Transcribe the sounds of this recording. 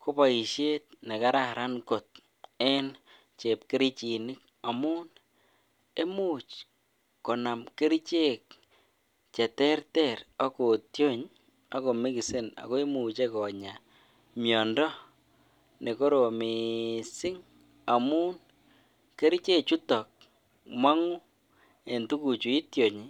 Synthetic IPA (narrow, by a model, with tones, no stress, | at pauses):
ko˦pa˨i˨ʃje˦t̚ne˨ka˦ɾa˨ɾa˦nko˨t̚ | ɛ˦n | t͡ʃe˨p̚ke˦ɾi˦t͡ʃi˨nɪ˦k̚ | a˨mu˦n | e˦mu˨t͡ʃ | ko˨na˨mke˦ɾi˦t͡ʃe˦k̚ | t͡ʃɛ˨tɛ˦rtɛɾa˦ko˨tjo˦ɲ | a˦ko˨mi˦ki˨se˦na̰˨ko˦e˦mu˨t͡ʃe˦kɔ˨ɲa˨ | mjɔ˨ndɔ˦ | ne˨ko˦ɾo˨mi˨sɪ˦ŋ | a˨mu˦n | ke˦ɾi˦t͡ʃe˦t͡ʃu˦tɔ˨k̚ | ma˦ŋu˦ | e˨ntu˦ku˨t͡ʃu˨i˦tjo˨ɲi˨